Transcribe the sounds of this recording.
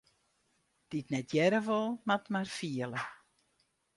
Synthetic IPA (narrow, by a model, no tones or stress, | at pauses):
d̥itnɛtʰjɛɾəʋolˠmatmarfiəlˠə